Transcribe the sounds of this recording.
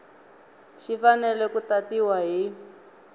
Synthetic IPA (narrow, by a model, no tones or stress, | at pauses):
ʃifanɛlɛkutatiwaɦi